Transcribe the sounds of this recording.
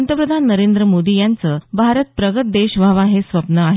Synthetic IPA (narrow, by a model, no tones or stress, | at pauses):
nt̪əpɾəd̪ʱanːəɾend̪ɾəmod̪ijant͡səːbʱaɾət̪̚pɾəɡət̪̚d̪eɕʋʱaʋaɦesʋəpnəaɦe